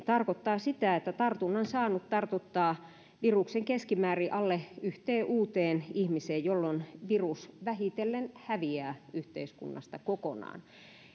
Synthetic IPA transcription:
t̪ɑrkot̪ːɑːsit̪æet̪ːæt̪ɑrt̪unːɑnsɑːnutt̪ɑrt̪ut̪ːɑː | ʋirukseŋkeskimæːriʔɑlːeyht̪eːʔuːt̪eːnihmiseːjjolːonʋirusʋæhit̪elːenhæʋiæːyht̪ḛiskṵnːɑ̰st̪ɑkokonɑ̰ːn

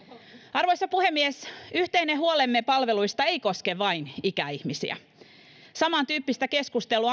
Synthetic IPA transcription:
ɑrʋojsːɑpuhemːiesyht̪eineɦuolemːepɑlʋe̞lujst̪ɑeiko̞skeʋɑinikæ̰ihmisḭæ̰ | sɑmɑnt̪yːpːist̪æke̞skust̪eluɑ

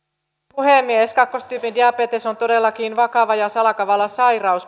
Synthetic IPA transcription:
puhemːieskɑkːo̞st̪yːpindiɑpet̪eso̞nt̪o̞delːɑkiːnʋɑkɑʋɑjɑsɑlɑkɑʋɑlːɑsɑjrɑus

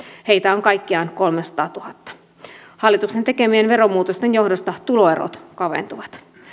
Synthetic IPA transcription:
he̞jt̪æoŋkɑjkːiɑːnko̞lmesɑ̥t̪ɑːt̪uhɑt̪ːɑ̥ | hɑlːˑit̪uksent̪e̞kemienʋeɾomːuːt̪ost̪enjo̞hdost̪ɑt̪ulo̞eɾo̰t̪kɑʋḛnt̪uʋɑt̪

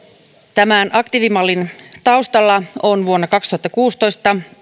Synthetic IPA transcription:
t̪æmænʔɑkt̪iʋimɑlːint̪ɑwst̪ɑlːɑonʋuonːɑkɑkst̪uhɑt̪ːɑkuːst̪o̞jst̪ɑ

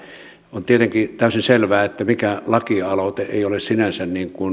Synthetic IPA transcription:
ont̪iet̪eŋkit̪æˑysinselʋæːet̪ːæmikælɑkiɑloˑt̪eeˑiolessinænsænniːŋkun

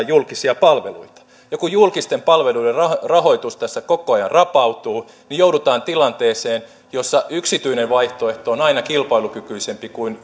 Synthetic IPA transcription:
julkisiɑpɑlʋelṵit̪ɑ̥ | jɑkujjulkist̪empɑlʋeluiderrɑrɑhoit̪ust̪æsːækokoɑjɑ̰nrɑpɑut̪uː | nijoudut̪ɑːnt̪ilɑnt̪eːseːn | josːɑyksit̪yineʋʋɑiht̪oeht̪oonɑinɑkilpɑilukykyisempikuin

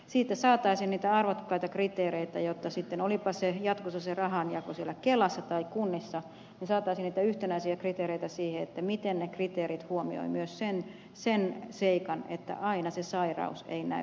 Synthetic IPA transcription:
siːt̪ːæsɑːt̪ɑisiːnniːt̪æɑrʋokːɑit̪ɑkrit̪eːreit̪æjot̪ːɑsit̪ːenolipɑsejɑt̪kosːɑserɑhɑnjɑkosielːˑækelɑsːɑt̪ɑikunːisːɑ | nisɑːt̪ˑɑisiːniːt̪æyht̪enæisiækrit̪eːɾeit̪æsiːheet̪ːæmit̪ennekrit̪eːɾit̪huomio̰imyøssen | senseikɑnḛt̪ːæ̰ʔɑinɑsesɑirɑ̰usḛinæ̰

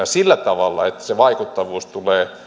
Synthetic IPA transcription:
ɑsilːæt̪ɑʋɑlːɑ̰et̪ːæ̥seʋɑikut̪ːɑʋuːst̪uleː

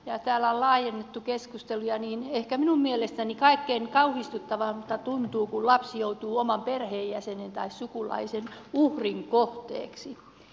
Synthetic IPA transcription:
jɑt̪æːlːæollɑːjenːet̪ːukeskust̪elujɑniːnehkæminummielest̪ænikɑikːeːŋkɑuhist̪ut̪ːɑʋɑmmut̪ːɑt̪unt̪uːkullɑpsjout̪uːomɑmperheːjjæsenent̪ɑissukulɑ̰isenuhriŋkoht̪ḛːksi

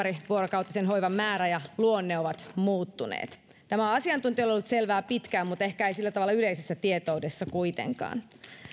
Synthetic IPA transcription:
ɾiʋuoɾokɑwt̪ːˑɑsenɦojʋɑmːæːɾæjɑluonːeoʋɑt̪muːt̪ːunḛːt̪ | t̪æmæɑsiɑnt̪unt̪iololːut̪selʋæːpit̪kæːmmut̪ehkæeisilːæt̪ɑʋɑlːɑyleisesːæt̪iet̪oudesːɑkuit̪ḛŋkɑ̰ːn

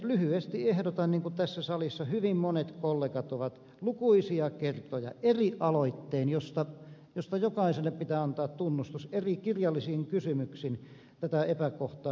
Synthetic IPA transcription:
lyhyest̪iehdot̪ɑnniːŋkut̪æsːæsɑlisːɑhyʋimmonet̪kolːeːkɑt̪oʋɑt̪ | lukuisiɑkert̪ojɑ̰eriʔɑloit̪ːeːnjost̪ɑjost̪ɑjokɑˑiselːeppit̪æːɑnt̪ɑːt̪t̪unːust̪userikirjɑlːisiːŋkysymyksiːn | t̪æt̪æepækoht̪ɑː

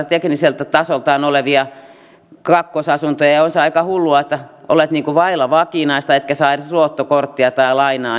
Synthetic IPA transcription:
t̪ekniselt̪æt̪ɑsolt̪ɑːnoleʋiɑ | kɑkːosɑsunt̪ojɑjɑonseɑikɑhulːuɑet̪ːæʔo̰let̪niːŋkuʋɑilɑʋɑkinɑist̪ɑet̪kæsɑiruot̪ːokort̪ːiɑt̪ɑilɑinɑː

